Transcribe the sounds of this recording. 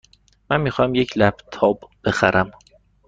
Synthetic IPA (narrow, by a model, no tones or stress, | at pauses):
mænmiːxɒmjecʰlæb̥t̪ʰɒːbb̥e̞xæɾʔæm